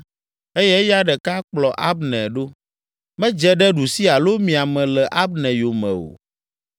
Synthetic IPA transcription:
e˦jɛ˦ja˦ɖɛ˨ka˦k͡plɔ˨ʔa˦bnɛ̃˨ɖo˦ | mɛ̃˦d͡ʒɛ˦ɖɛ˦ɖu˨si˦a˨lo˦mĩ˨a˨mɛ̃˨lɛ˨ʔa˦bnɛ̃˨jo˨mɛ̰̃˨o̰˨

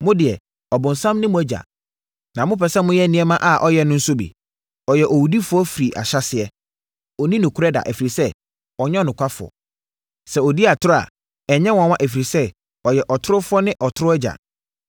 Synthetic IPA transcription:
mʊ̃˦dɪ˨ɛ˨ | ɔ˨bʊ̃˨n̩˨sã˦mnɪ̃˦mʊ̃˦æ˨˦d͡ʑa̰˨ | nã˨mʊ̃˦pʰɛ˨sɛ˦mʊ̃˦jɛ˦˨nĩ˦ɛ˦mã˦ʔa˨ʔɔ˦jɛ˦nʊ̃˦n̩˦sʊ˦bḭ˨ | ɔ˨jɛ˨ʔɔ˨wu˨di˦fʊ˦ɔ˦fi˨ɾi˨ʔa̰˨ɕa˦sɪ˨ɛ˦ | ɔ˨nĩ˦nʊ̃˨kʰʊ˦ɾɛ˦da̰˨ʔæ˨fi˨ɾi˨sɛ˦ | ɔ˨ɲɛ̃˦nʊ̃˨kʷʰa˦fʊ˨ɔ̰˨ | sɛ˨ɔ˨di˦a˨tʰʊ˦ɾʊ˦a̰˨ | ɛ˨ɲɛ̃˦wɔ̃˨˦wã˦ʔæ˨fi˨ɾi˨sɛ˦ | ɔ˨jɛ˨ʔɔ˨tʰʊ˦ɾʊ˦fʊ˦ɔ˦nɪ̃˦ʔɔ˨tʰʊ˦ɾʊ˦ɛ˦d͡ʑa̰˨

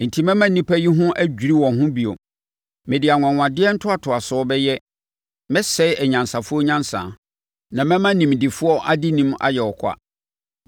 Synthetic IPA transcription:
n̩˨tʰi˦mɛ̃˦mã˦nĩ˦pʰæ˦ji˦ɦʊ̃˦ʔæ˦d͡ʑᶣi˨ɾi˦wɔ̃˨nɦʊ̃˦bi˨o˨ | mɛ̃˨dɪ˨a˨ŋ˨ã˨ŋʷ˨ã˨dɪ˦ɛ˦n̩˦tʰʊ˦a˨tʰʊ˨a˨sɔ˨˦ɔ˦bɛ˦jɛ˦ | mɛ̃˦sɛ˦ɛ˨ɲã˨nsa˨fʊ˦ɔ˦ɲã˦nsã̰˨ | nã˨mɛ̃˦mã˦nĩ˨mdɪ˨fʊ˦ɔ˦ʔa˨dɪ˦nĩ˦ma̰˨jɛ˨ɔ˨kʷʰa̰˦

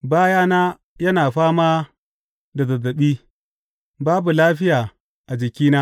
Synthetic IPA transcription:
baː˦jaː˦na˦ | jɐ˦naː˨ɸaː˦maː˦ | da˨zɐ˨zːɐ˨ɓiː˦ | baː˦bu˨laː˦ɸɪ˦jaː˨ | ʔa˨d͡ʒɪ˨kʲiː˦na˦

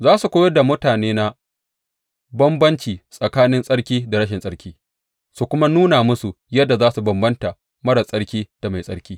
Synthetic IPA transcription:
zaː˦su˨kʷoː˦jɐ˦da˨mʊ˦taː˨neː˦na˦ | bɐ˦mbɐ˦nt͡ʃiː˨sʼɐ˨kaː˦nɪ˦nsʼɐ˦ɽkʲiː˦da˨ɽɐ˦ʃɪ˨nsʼɐ˦ɽkʲʰiː˦ | su˨kʷʊ˦ma˦nuː˦na˨mʊ˦su˨ | jɐ˦dːa˨zaː˦su˨bɐ˨mbɐ˦nta˨ | mɐ˦ɽɐ˨sʼɐ˦ɽkʲiː˦d̥a˨ma˨jsʼɐ˦ɽkʲiː˦

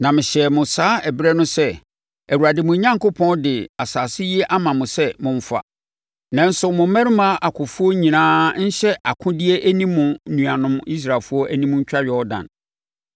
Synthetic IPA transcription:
nã˨mɪ̃˨ɕɛ˨mʊ̃˨saː˦ɛ˨bɾɛ˦nʊ̃˦sɛ˦ | æ˨wu˨ɾa˨dɪ˨mʊ̃˨˦ɲã˦ŋkʰo˦pʰɔ̃˦ndɪ˨a˨saː˨sɪ˦jɛ˦ʔa˦mã˨mʊ̃˨sɛ˦mʊ̃˨ɱ˨˦fa̰˨ | nã˨n̩˦sʊ˨mʊ̃˨m˦mæ̃˦ɾɪ˦mã˦ʔa˨kʰʊ̃˨fu˦o˦ɲĩ˨nãː˦ɲ̩˦ɕɛ˦ʔa˨kʰʊ̃˦dɪ˦e˦ʔæ˦nĩː˦ʊ̃˨˦nũ˨a˨nʊ̃˦mi˦s̬ɾa˨fu˦ɔ˦ʔæ˦nĩ˦mʊ̃˦ɲ̩˦t͡ɕᶣa˦ɥɔ˦ɔ˦dã̰˨n

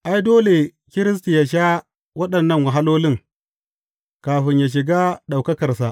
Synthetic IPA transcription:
ʔa˨jdoː˦le˨ | kʲɪ˦ɾɪ˦s̬ti˨ja˨ʃ̬a˦ | wɐ˦ɗɐ˨nːɐ˦˨ŋwa˨ɦa˦loː˦lɪ˦ŋ | kaː˨ɸɪ˨ɲjaː˨ʃ̬ɪ˨ɡaː˦ɗa˨wkɐ˦kɐ˨rsa˨

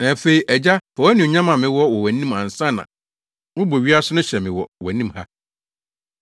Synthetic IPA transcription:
nã˨fe˨i˨ʔɛ˨d͡ʑa˦fɔ˨wɔ˦nɪ̃˨ɲã˦mã˨mɪ̃˨wɔ˦wɔ˨wæ̃˨nĩ˦mã˨n̩˨sã˦˨nã̰˨ | wʊ̃˦bo˨ɥi˦a˦sʊ˦nʊ̃˦ɕɛ˨mɪ̃˨wɔ˨wɛ˨˦nĩ˦mha˦

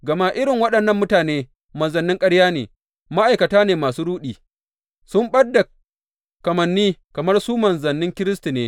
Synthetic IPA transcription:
ɡɐ˨ma˦ʔɪ˦ɾɪ˨ŋwɐ˦ɗɐ˨nːɐ˦mːʊ˦taː˨neː˦ | mɐ˨nzɐ˨nːɪ˦ŋkʼɐ˦ɽjaː˦neː˨ | ma˦ʔa˨jkɐ˨taː˦neː˨maː˨suː˦ɽuː˦ɗiː˨ | sʊ˦mɓɐ˦dːa˨ | kɐ˨mɐ˨nːiː˦kɐ˨mɐ˦rsuː˦mɐ˨nzɐ˨nːɪ˦ŋkʲɪ˦ɾɪ˦s̬ti˨neː˦

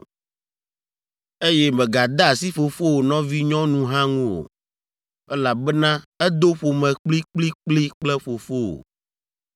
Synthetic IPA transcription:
e˦je˦mɛ̃˨ɡa˨d̪a˦a˨si˦ɸo˨fo˦wo˨nɔ̃˦vi˦ɲɔ̃˦nũ˦ɦã˦ŋũ˦o̰˨ | ɛ˦la˨bɛ˦nã˦ɛ˦d̪o˦ɸo˨mɛ̃˨k͡pli˦k͡pli˦k͡pli˦k͡plɛ˦ɸo˨fo˦wo̰˨

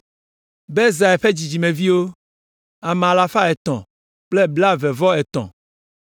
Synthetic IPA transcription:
be˦za˨ɛ˨ɸe˦d͡ʑi˨d͡ʑi˨mẽ˨vi˦wo˦ | a˨m˨a˨la˨fa˦ɛ˨t̪ɔ̃˨ | k͡ple˦bla˦vɛ˨vɔ˦ɛ˨t̪ɔ̰̃˨

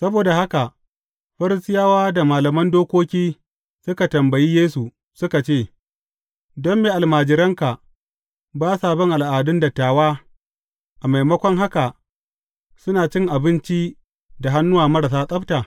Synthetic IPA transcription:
sɐ˦boː˨da˨ɦa˦ka˨ | ɸɐ˦ɾɪ˦sɪ˦jaː˦waː˦da˨maː˨lɐ˨mɐ˦ndoː˦kʷoː˦kʲiː˦ | sʊ˦ka˨tɐ˨mbɐ˨ji˦jeː˦su˨ | sʊ˦ka˨t͡ʃeː˦˨ | dɔ˦mːeː˨ʔa˨lmaː˨d͡ʒɪ˨ɾɐ˦ŋka˨ | baː˦saː˨bɔ˦ŋʔa˨lʔaː˨dʊ˦nda˨taː˨waː˦ | ʔa˨ma˨jmɐ˦kʷɔ˦ŋɦa˦ka˨ | sʊ˦naː˨t͡ʃɪ˦ŋʔa˨bɪ˦nt͡ʃi˦ | da˨ɦa˦nːʊ˦waː˨mɐ˦ɾa˨s̬aː˦sʼɐ˦btaː˨

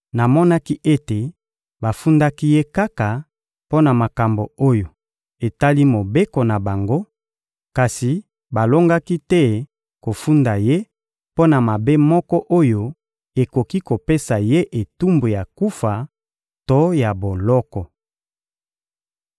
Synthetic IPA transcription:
na˨mɔ˦na˦ki˦ʔe˦te˨ | ba˨fu˦nda˦ki˦je˦ka˦ka˨ | po˦na˨ma˨ka˨mbo˨o˦jo˨ | e˨ta˦li˦mo˨be˦ko˨na˨ba˨ŋɡo˦ | ka˨si˨ | ba˨lo˦ŋɡa˦ki˦tɛ˦ | ko˨fu˦nda˨je˦ | po˦na˨ma˨be˦mɔ˦kɔ˦ʔo˦jo˦ | e˨ko˨ki˦ko˨pe˦sa˨je˦ʔe˨tu˦mbo˨ja˨ku˦fa˨ | to˦ja˨bo˨lɔ˦kɔ˨

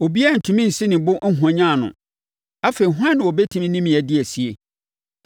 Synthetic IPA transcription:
o˨bi˦a˦˨n̩˨tʰũ˨mĩ˦n̩˨sɪ̃˦nɪ̃˨bʊ˦ŋ̩˦ɦɔ̃˨ɲã˦˨nʊ̰̃˨ | a˦fe˨i˨ɦʊ˦ã˦nːɪ̃˨o˨bɛ˦tʰĩ˦mĩ˦nĩ˦mĩ˨ɛ˨dɪ˦ɛ˨si˨e˨

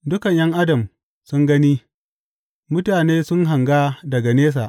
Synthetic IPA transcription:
dʊ˦kɐ˨ɲjɐ˦ŋʔa˦dɐ˨m | sʊ˦ŋɡɐ˦niː˦ | mʊ˦taː˨neː˦sʊ˦ŋɦa˨ŋɡaː˦dɐ˨ɡa˨neː˦s̬a˨ʔ

